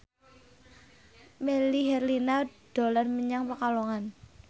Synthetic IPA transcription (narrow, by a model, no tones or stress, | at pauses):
meliɦɛrlinad̥o̤larməɲaŋpakalɔŋan